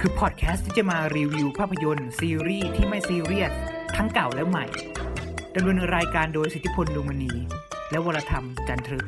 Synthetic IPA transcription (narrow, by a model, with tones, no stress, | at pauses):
kʰɯː˧pʰɔː˨˩t̪̚kʰɛː˦˥st̪ʰːiː˥˩t͡ɕa˨˩maː˧ɾiː˧wi˧wpʰaː˥˩pʰːa˧jo˧nsiː˧ɾiː˥˩t̪ʰiː˥˩ma˥˩jsiː˧ɾi˥˩ət̪̚ʰːa˦˥ŋka˨˩wlɛ˦˥wma̰˨˩j | da˧mlu˧ənɾaː˧jkaː˧ndoː˧jsi˨˩t̪ʰːi˦˥pʰo˧nluː˧ma˧niː˧ | lɛ˦˥wa˧lːa˧t̪ʰa˧mt͡ɕa˧nt̪ʰɾɯ˦˥